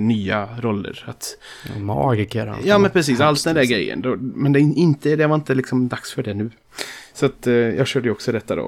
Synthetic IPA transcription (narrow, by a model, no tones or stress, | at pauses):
nyːaɾɔlːə̰ɾat̪ | mɑ̰ːɡɪkəɾa̰njɑːmɛnpʰɾɛs̬iːsalt̪d̪ɛnd̪æɾɡɾɛjːə̰nd̪ɔmɛnd̪ɛɪnt̪əd̪ɛvaɪnt̪əlɪksɔmd̪aksfœɖɛnʉ̟ː | sɔat̪jɑːɡɕøːɖəjəɔksɔd̪ɛt̪ːad̪o̰